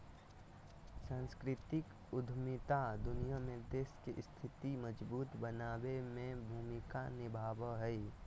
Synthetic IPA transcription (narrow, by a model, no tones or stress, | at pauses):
sãːnskɾɪt̪ɪk | ʊd̪ʱmɪt̪ad̪ʊnijamed̪eːskeʔst̪ʰɪt̪iməd͡ʒbuːt̪bənaːwemẽbʱuːmɪkanɪbʱaːʋəɦɛi